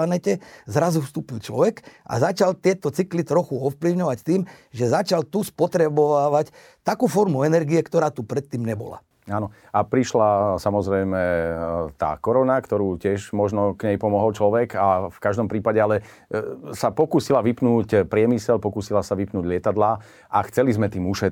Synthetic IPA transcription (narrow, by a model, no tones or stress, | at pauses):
anɛcɛzɾazufst̪uːpilt͡ʃlɔʋɛkʔa̰zat͡ʃalt̪ɪɛt̪ɔt͡siklit̪ɾɔxuɔfpliʊɲɔʋact̪iːmʒɛzat͡ʃalt̪uspɔt̪ɾɛbɔʋaːʋac | t̪akuːfɔɾmuɛnɛɾɡiɛkt̪ɔɾaːt̪upɾɛt̪ːiːmɲɛbɔ̰la̰ | aːnɔ | apɾiʃlasamɔzɾɛjmɛt̪a̰ːkɔɾɔnakt̪ɔɾuːcɪɛʒmɔʒnɔkɲɛjpɔmɔɦɔlt͡ʃlɔʋɛkafkaʒd̪ɔmpɾiːpaɟɛalɛ | sapɔkuːsilaʋipnuːcpɾɪɛmisɛlpɔkuːsilasaʋipnuːɟlɪɛt̪ad̪laː | axt͡sɛlizmɛt̪iːmuʃɛ